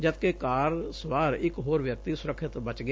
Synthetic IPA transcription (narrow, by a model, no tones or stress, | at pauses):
d͡ʒəd̪̚kekaːɾswaːɾɪkɦoːɾʋjək̚t̪isʊɾəkʰɪt̪bət͡ʃɡə